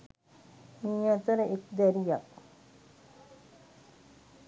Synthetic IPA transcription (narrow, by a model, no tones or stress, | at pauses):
miːat̪əɾəʔek̚d̪æɾijak